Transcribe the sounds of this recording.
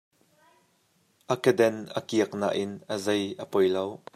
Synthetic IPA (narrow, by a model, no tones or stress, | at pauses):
ʔɐkəd̪ɛnʔəkiək̚na̰ːʔɪnʔəzɐjʔəpɔjlow